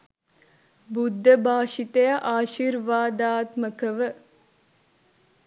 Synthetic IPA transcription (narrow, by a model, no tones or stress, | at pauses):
bud̪ʱːəbʱaːʃit̪əjaʔaːʃiɾʋaːd̪aːt̪məkəʋə